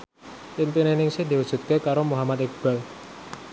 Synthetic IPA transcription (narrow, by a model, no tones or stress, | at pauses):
impinenɪŋsɪhd̪̥i̤wu̥ʒ̥ṳt̪̚kekaɾomuɦamat̪ɪɡ̚b̥al